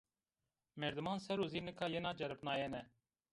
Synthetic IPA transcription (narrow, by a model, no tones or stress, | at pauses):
mɛɾd̪ɨmaːnsɛɾuːziːnəkʰaːjenaːd͡ʒɛɾəpnaːjeːnɛ